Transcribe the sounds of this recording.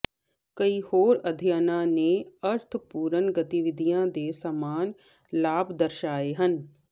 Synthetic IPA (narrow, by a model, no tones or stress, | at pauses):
kɐihoːɾɐd̪ʱjanãnẽɐɾt̪ʰpuːɾənɡɐt̪iʋɪd̪ʱijãd̪eːsamaːn | laːbd̪ɐɾʃaːeɦən